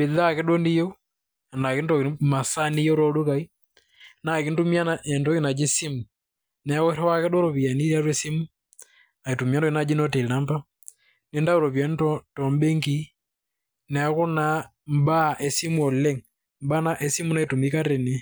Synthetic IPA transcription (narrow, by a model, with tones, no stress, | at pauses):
be˨ða˦kɛ˦ɗo˦ni˦jɔ˦ | a˨na˨ke˦ntɔ˨ma˨sa˦ni˦jɔ˦ɾɔ˦lu˦ka˨i˦ | na˨ki˨˦ntu˦mi˦a˦naɛ˨ndɔ˦ɣi˦na˨d͡ʒe˦si˦mu˨ | nɛ˨˦ɣɔ˦ɾɛ˦wa˦kɛ˦dɔ˦ɾɔ˨βi˨a˨ni˦ɾa˦ɾwɛ˦si˦mu˦ | a˨i˨tu˨mja˦ndɔ˦e˦na˦d͡ʒi˦nɔ˦te˨la˦mba˦ | ne˦nda˦o˨ɾɔ˨βja˨˦n˦tɔtɔ˨mbe˦ŋɡi˦ | nɛ˨˦ɣo˦na˦ | m˦ba˦ʔɛ˨si˦mu˦ɔ˨lɛ˦ŋ | mba˦na˦ʔɛ˦si˦mu˦na˨i˨tu˨mi˦ka˦ɾe˨ne˦